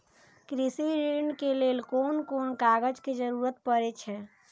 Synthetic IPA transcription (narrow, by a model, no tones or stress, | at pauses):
kɾisiɾinɖkelelkonkonkaɡəd͡ʒked͡ʒəɾuɾət̪̚pəɾɛt͡ʃʰɛ